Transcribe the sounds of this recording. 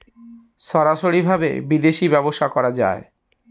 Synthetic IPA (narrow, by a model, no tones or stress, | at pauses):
ʃɔɾaʃoɾibʱabḛbid̪eʃibɛboʃakɔɾad͡ʑa̰e